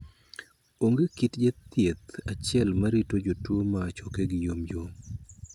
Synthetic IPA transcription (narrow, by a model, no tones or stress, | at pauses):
oŋɡekitd͡ʒet̪jet̪at͡ʃɪɛlmaɾitod͡ʒotwomat͡ʃɔkeɡɪjomjom